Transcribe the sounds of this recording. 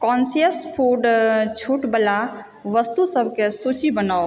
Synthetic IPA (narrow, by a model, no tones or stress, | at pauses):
kɔnsiəspʰuɖt͡ʃʰuʈbəla | ʋəst̪usəbʱkesut͡ʃʰibənaw